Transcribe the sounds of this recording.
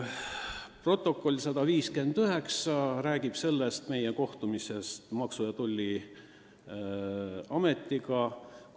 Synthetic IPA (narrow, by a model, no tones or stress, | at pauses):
pro̞t̪ːˑo̞kːˑo̞lʲːsɑd̪̥ɑviːske̞nd̪̥yɦe̞ksɑɾæːɡ̥ib̥se̞lːest̪me̞jeko̞ht̪umise̞st̪mɑksujɑt̪ulʲːi | ɑme̞t̪ːˑiɡɑ